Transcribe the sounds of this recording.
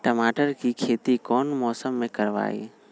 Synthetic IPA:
ʈəmaːʈəɾkikʰeːt̪ikɔːnmɔːsəmːẽkəɾʋa̰ːḭː

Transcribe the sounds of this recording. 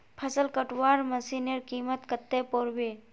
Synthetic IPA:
pʰəsəlkəʈwaɾməsineɾkimət̪kət̪ːepoɾbe

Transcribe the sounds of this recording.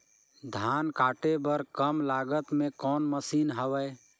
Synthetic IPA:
d̪ʱaːnkaːʈebəɾkəmlaːɡət̪mẽkɔːnməsiːnɦəʋəj

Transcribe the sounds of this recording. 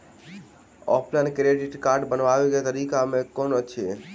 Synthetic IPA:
ɔ̰pʰlɛnkɾeɖiʈkaɾɖbənʋaʋeket̪əɾikamẽkonət͡ʃʰe

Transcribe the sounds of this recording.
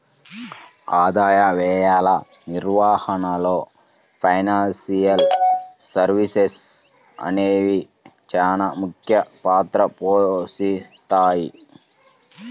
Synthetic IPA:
aːd̪aːjɐʋɛːjaːlɐ | niɾʋaːhɐnɐlo̞ː | pʰɐjnaːnsijɐl | sɐɾʋises | ɐ̰neːʋi | t͡ʃaːnamukʰjɐpaːt̪ɾɐpoːsit̪aːji

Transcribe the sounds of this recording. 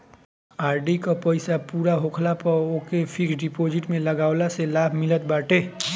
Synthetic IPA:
aːɾɖikapɐɪsapuːɾaɦoːkʰlapɐɾoːkefʰɪksɖɪpoːd͡ʒɪʈmẽlɐɡaːʊlaselaːbʱmɪlət̪̚baːʈeː

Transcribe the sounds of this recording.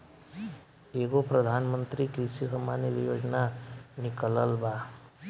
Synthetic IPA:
eːɡopɾəd̪ʱaːnmənt̪ɾikɾiʃisəmanilijoːd͡ʒnanɪkələlba

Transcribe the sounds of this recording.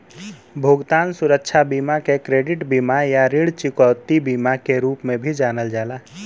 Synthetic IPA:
bʱoɡt̪aːnsʊɾəkt͡ʃʰabimakekɾeːɖɪʈbimajaɾiɽt͡ʃɪkəːt̪ibimakeɾupmẽbʱid͡ʒaːnəld͡ʒaːla

